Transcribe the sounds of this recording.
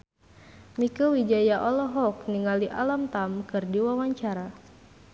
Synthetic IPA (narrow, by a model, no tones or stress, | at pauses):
mikəwid͡ʒajaʔɔlɔɦɔk̚niŋaliʔa̰lamt̪amkɨrdiwawaɲt͡ʃaɾa